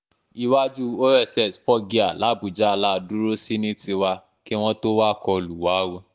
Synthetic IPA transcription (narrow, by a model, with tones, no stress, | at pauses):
i˧wa˦d͡ʒu˦o˦ɛ˦˨sɛ˦˨sfɔ˦ɡi˧a˨la˨˦bu˨d͡ʒa˦a˧la˦˧du˦ɾo˦si˦nĩ˦ti˧wa˧ | ki˦w̃ɔ̃˦to˦wa˦kɔ˧lu˨wa˨˦wo˧˦